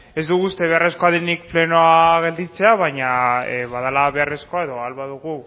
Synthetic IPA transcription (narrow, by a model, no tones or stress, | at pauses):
e̞zd̪uɣust̪e̞βe̞are̞sko̞aðenik̚ple̞no̞aɣe̞ld̪it͡se̞aβ̞aɲaβaðalaβe̞are̞sko̞ae̞ðo̞alβaðuɣu